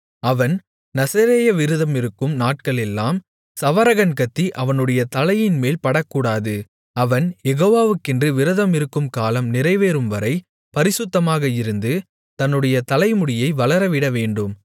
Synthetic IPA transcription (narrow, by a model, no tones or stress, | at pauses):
ɐʋɐn | nɐsɐɾeːjɐʋɪɾɯðɐmɪɾɯkːɯmnaːʈ̚kɐɭɛlːaːm | sɐʋɐɾɐɣɐnkɐt̪ːiʔɐʋɐnɯɽɐjɐt̪ɐlɐjɪnmeːlpɐɽɐkːuːɽaːðɯ | ɐʋɐnjɛɣoːʋaːʋɯkːɛndrɯʋɪɾɯðɐmɪɾɯkːɯmkaːlɐmnɪrɐɪʋeːɾɯmʋɐɾɐɪ | pɐɾɪsʊt̪ːɐmaːɣɐɪɾɯnd̪ɯ | t̪ɐnːɯɽɐjɐt̪ɐlɐɪmʊɽɪjɐɪʋɐɭɐɾɐʋɪɽɐʋeːɳɖɯm